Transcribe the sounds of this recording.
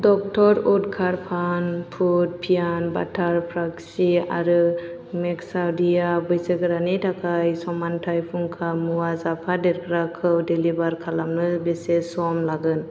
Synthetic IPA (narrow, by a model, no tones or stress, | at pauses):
dɔk̚tʰɔɾudkʰaɾpʰanpʰut̚pʰijanba̰tʰaɾpʰɾaksia̰ɾɯ | mɛksawdijabɯjsəɡɯɾanitʰakʰajsɔmantʰajpʰuŋkʰamuwazapʰadɛɾkʰɾakʰɯwdelibaɾkʰalamnɯbesesɔmlaɡɯn